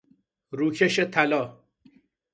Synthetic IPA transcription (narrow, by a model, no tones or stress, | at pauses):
ɾuːkʰeʃet̪ʰælɒː